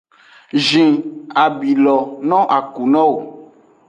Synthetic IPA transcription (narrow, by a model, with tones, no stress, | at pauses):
ʒĩ˨a˨bi˨lɔ˨nɔ̃˦ʔa˨ku˨nɔ̃˦wo˨